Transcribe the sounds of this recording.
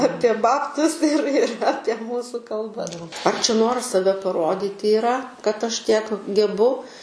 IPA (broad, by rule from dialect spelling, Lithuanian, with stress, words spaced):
ˈɑːpʲiɛ ˈbɑːptʊs ɪr ɪr ˈɑːpʲiɛ ˈmuːsuː kɐlˠˈbɐ ɐr t͡ʃʲɛ ˈnoːrɐs sɐˈʋʲɛ pɐˈroːdʲiːtʲɪ ɪˈrɐ kɐt ˈɐʃ ˈtʲiɛk ɡʲɛˈbʊ